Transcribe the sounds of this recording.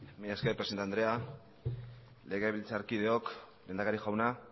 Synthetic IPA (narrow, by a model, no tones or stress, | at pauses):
miaskepɾesint̪and̪ɾe̞a | le̞ɣeβilt͡saɾkið̞e̞o̞klend̪akaɾixawna